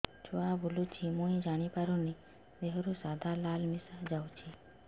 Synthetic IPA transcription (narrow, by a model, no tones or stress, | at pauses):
t͡ʃoabʱolut͡ʃʰimõĩd͡ʒaɽ̃ipaɾuni | beɦɔɾusad̪ʱalalmisad͡ʒawt͡ʃʰi